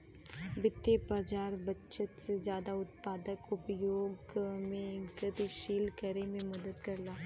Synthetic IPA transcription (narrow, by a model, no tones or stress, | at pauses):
bɪt̪ːepəːd͡ʒaːɾbətːʃət̪sed͡ʒjaːd̪aʊt̪̚paːd̪əkʊpjoːɡmẽɡət̪iʃiːlkəɾemẽmɐd̪əd̪kɐɾlaː